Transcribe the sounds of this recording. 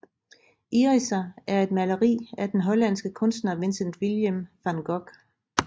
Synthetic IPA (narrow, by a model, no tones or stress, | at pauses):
ʔiʁisææɐe̝d̥mæləʁḭːæd̥enɦɒ̽læn̰sɡ̥əkʰɔ̽nsd̥nɐʋe̝nsənd̥ʋiljəmfænɡ̥ɒɡ̥